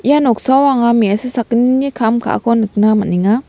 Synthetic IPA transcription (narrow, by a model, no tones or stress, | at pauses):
ijanɔk̚sawaŋamiasɯsakɯninikʰamkʰa̰ʔkʰɔnɯk̚namaniŋa